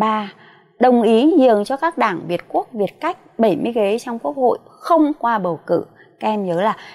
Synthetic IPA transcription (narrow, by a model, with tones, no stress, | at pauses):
ɓaː˧ | ɗə˨˩wŋ͡mʔi˨˦ənzɨ˧˨˩əŋt͡ɕɔ˧kaː˦˥k̚ɗaː˧˩ŋvi˨˩ət̚ku˦˥ək̚vi˨˩ət̚ka˦˥jk̟̚ɓə˧˩jmɨ˧əjɣe˨˦t͡ɕwŋ͡mku˦˥ək̚ho̰˧˨jxə˧wŋ͡mkwaː˧ɓə˨˩wkɨ̰˧˩ | kɛ˧mɲəː˨˦laː˨˩